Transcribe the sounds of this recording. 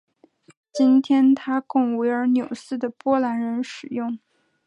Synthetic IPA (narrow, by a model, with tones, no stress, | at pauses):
t͡ɕi˥nt̪ʰjɛ˥nt̪ʰa˥kʊ˥˩ŋwe˧˥ɪə˞˧˥njo˨˩ʊsɹ̩˥˩d̪ə˩pwɔ˥la˧˥nɻə˧˥nʂɻ̩˨˩jʊ˥˩ŋ